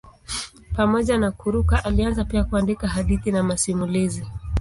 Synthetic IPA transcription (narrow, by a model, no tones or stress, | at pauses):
pamɔʄanakuɾukaʔalianzapiakuandikaɦaɗiθinamasimulizi